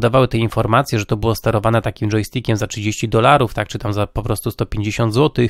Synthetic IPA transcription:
d̪avawɘt̪ɛinfɔɾmat̪sʲjɛʐɛt̪ɔbɘwɔst̪ɛɾɔvanɛt̪akʲimʐɔjst̪ʲikʲɛmzatʂɘd͡ʑeɕt͡ɕid̪ɔlaɾuft̪ak̚t͡ʂɘt̪amzapɔpɾɔst̪ust̪ɔpʲjeɲd͡ʑeɕɔnd̪zwɔt̪ɘx

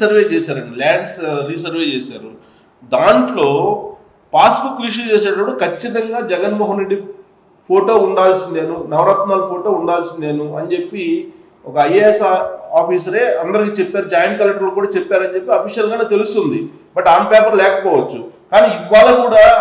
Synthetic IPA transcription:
sɐɾʋe̞ːt͡ʃɛːsaːɾɐɳːlaːɳɖsɾis̬ɐɾʋe̞ːt͡ʃɛːsaːɾu | d̪aːɳʈlo̞ː | paːsbukːliʂ̬ut͡ʃeːs̬ɛːʈɐpːuɽukʰɐt͡ʃːit̪ɐŋɡaːd͡ʒɛɡɐnmɔːɦɐnɾeɖːi | pʰoːʈo̞ːuɳɖaːlsind̪e̞ːnunɐʋɾaːt̪maːlɐpʰoːʈo̞ːuɳɖaːlsine̞ːnuɐnt͡ʃe̞pːi | ɔkɐɐjesaːpiːsɐɾe̞ːɐnd̪ɐɾik̬iːt͡ʃepːaːɾud͡ʒaːjnkɐːleʈɐɾlokuːɽaːt͡ʃepːaːɾɐnt͡ʃe̞pːiɐpʰiːʃɐlɡaːnet̪e̞lust̪und̪i | bɐʈaːɳpɛːpɐɾlɛːkɐpɔːʋɐt͡ʃːukaːniːikʋaːlɐkuːɽaː

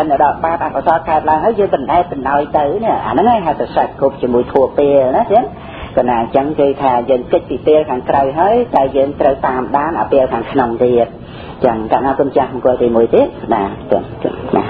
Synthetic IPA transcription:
ənəɗɑlɓaːp̚ʔakasɑːtkaət̪̚laəŋɦaəjəːŋpɨnɗaɛpɨnʔaɔjt̪ɨwniəʔʔa̰ːnɨŋaːjɦaət̪aːsac̚kup̚t͡ɕiəmuəjt̪ʰuəpeːəlnaːt̪iən | kanaːt͡ɕəŋkeːt̪ʰaːjəːŋkəc̚piːpeəlkʰaːŋkrawɦaəjɗ̪aɛljəːŋt̪rəwt̪aːmɗaːnʔa̰ːpiəlkʰaːŋkʰnoŋt̪iət̪̚ | t͡ɕəŋkat̪̚naːkʊənt͡ɕahməŋkʊ̆ət̪iːmuəjt̪iət̪̚ɗaːkna̰

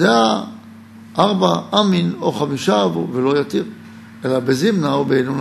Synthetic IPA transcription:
dea | ʔaʁbaaminoχamiʃavuvelo̞jat̪iʁ | elabezimnaobeenun

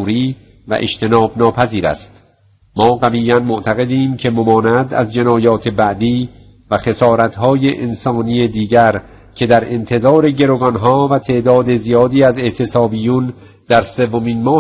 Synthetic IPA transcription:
ɾiː | væ̰ʔḛʃt̪ʰe̞nɒːbnɒːpʰæziːɾæ̰st̪ | mɒːɡæviːænmoʔt̪ʰæɣe̞d̪iːmcʰe̞momɒːnæd̪æ̰zd͡ʒe̞nɒːjɒːt̪ʰe̞bæʔd̪iː | væxe̞sɒːɾæt̪ʰɦɒːjeʔensɒːnijed̪iːɟæɾ | cʰe̞d̪æɾe̞nt̪ʰe̞zɒːɾe̞ɟe̞ɾoɡɒnɦɒːvæt̪ʰe̞ʔd̪ɒːd̪e̞zijɒːd̪iːæze̞ʔt̪ʰe̞sɒːbiːjun | d̪̥æɾse̞vːomiːnmɒː

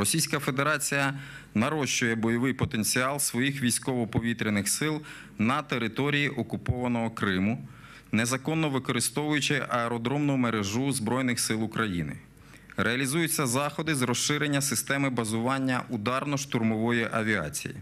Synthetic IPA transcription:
ɾɔsʲijsʲkɐfe̞d̪eɾɑt͡sʲijɐ | nɐɾɔʃt͡ʃʊjɛbɔjɔʋɪjpɔt̪e̞nʲt͡sʲiɑlˠsʋɔjixʋʲijsʲkɔʋɔpɔʋʲit̪ɾʲɪnɪxsɪlˠ | nɐt̪e̞ɾɪt̪ɔɾʲijiʔɔkʊpɔʋɐnɔɦɔkɾɪmʊ | nezɐkɔnːɔʋɪkɔɾɪst̪ɔʋʊjʊt͡ʃɪʔɐɛɾɔd̪ɾɔmnʊmeɾeʒuzbɾɔjnɪxsɪlˠʊkɾɐjḭnɪ̰ | ɾʔeɐlʲizujʊt͡sʲːɐzɑxɔd̪ɪzrɔʃʃɪɾenʲːɐsɪst̪ɛmɪbɐzʊʋɑnʲːɐʔud̪ɑrnɔʃt̪ʊrmɔʋɔjiʔɐʋʲiɑ̰t͡sʲḭjḭ

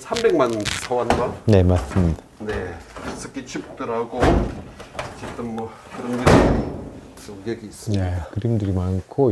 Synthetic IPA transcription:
sʰambe̞ŋmansʰʌwanɡane̞mas͈ɯmɲidḁnes͈ʰɯk͈it͡ɕʰup̚t͈ɯɾaɡo | t͡ɕet͈ɯmːʌ | kɯɾʌnɡiɾɯ | oɡeɡiːs͈ɯnekɯɾimdɯɾimankʰo

